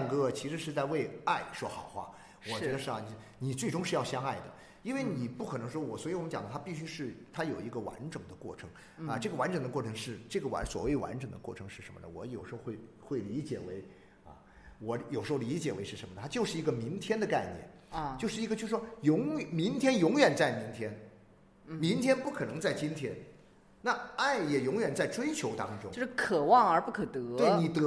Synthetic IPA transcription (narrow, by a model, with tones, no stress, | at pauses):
ŋkɤ˥˩t͡ɕʰi˧˥ʂɻ̩˧˥ʂɻ̩˥˧t͡sa˥˧ɪwe˥˧ɪa˥˩ɪʂwɔ˥xɑ˨˩ʊxwa̰˥˩ | wɔ˨˩t͡ɕɥɛ˧˥d̪ə˧ʂɻ̩˥˩˧n˧ | ni˨˩t͡swe˥˩ɪʈ͡ʂʊ˥ŋʂ̬ɻ̩˥˧jɑ˥˩ʊɕjɑ˥ŋa˥˩ɪd̪ə˩ | i˥nwe˥˩ɪni˨˩pu˥˩kʰɤ˨˩nɤ˧˥ŋʂwɔ˥wɔ˨˩swi˧˩wm˦t͡ɕjɑ˨˩ŋd̪ə˦t̪ʰa˥pi˥˩ɕy˥ʂɻ̩˥˩t̪ʰa˥jo˨˩ʊi˧˥ɡə˧wa̰˧˥nʈ͡ʂɤ˨˩ŋd̪ə˦kwɔ̰˥˩ʈ͡ʂʰɤ˧˥ŋ | ɐ˧ʈ͡ʂɤ˥˩ɡə˩wa˧˥nʈ͡ʂɤ˨˩ŋd̪ə˦kwɔ˥˩ʈ͡ʂʰɤ˧˥ŋʂɻ̩˥˧ʈ͡ʂɤ˥˩ɡə˩wa̰˧˥nswɔ̰˨˩we˥˩ɪwa̰˧˥nʈ͡ʂɤ˨˩ŋd̪ə̰˦kwɔ˥˩ʈ͡ʂʰɤ˧˥ŋʂɻ̩˥˩ʂə̰˧˥mə̰˧d̪ə̰˩wɔ˧˥jo˨ʊʂɻ̩˧˥xo˥˧ʊxwe˥˩ɪ | xwe˥˩ɪli˧˥t͡ɕjɛ˨˩we˧˥ɪ | ɐ̰˧˩ | wɔ˧˥jo˨˩ʂ̩˧˥xli˧˥t͡ɕjɛ˨˩we˧˥ɪʂɻ̩˥˩ə˧˥nməd̪ə˩t̪ʰa˥jo˥˧ʊʂɻ̩˥˩i˧˥ɡə˧mi˧˥ŋt̪ʰjɛ˥nd̪ə˨ka˥˧ɪnjɛ̰˥˩n˧ | t͡ɕjo˥˧ʂɻ̩˥˩i˧˥ɡə˧t͡ɕo˥˧ʂʂwɔ˥jʊ˧˥ŋ˨˩mi˧˥ŋt̪ʰjɛ˥njʊ˧˥ŋɥɛ˨˩nt͡sa˥˩ɪmi˧˥ŋt̪ʰjɛ˥n | mi˧˥ŋt̪ʰjɛ˥npu˥˩kʰɤ˨˩nɤ˧˥ŋt͡sa˥˩ɪt͡ɕi˥nt̪ʰjɛ˥n | na˥˧˩a˥˩ɪjɛ˨˩jʊ˧˥ŋɥɛ˨˩nt͡sa˥˩ɪʈ͡ʂwe˥ɪt͡ɕʰjo˧˥ʊt̪ɑ˥ŋt͡ɕʈ͡ʂʊ˥ŋo˥˧˥ʂkʰɤ˨˩wɑ˥˩ŋə˞˧˥pu˥˩kʰt̪ɤ˧˥t̪we˥˩ɪni˨˩t̪